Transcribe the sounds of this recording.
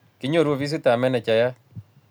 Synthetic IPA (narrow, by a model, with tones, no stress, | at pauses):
ki˦ɲo˦˨ɾwo˦˨βi˦s̬i˦ta˨mɛ˦nɛ˨t͡ʃa˨ja˦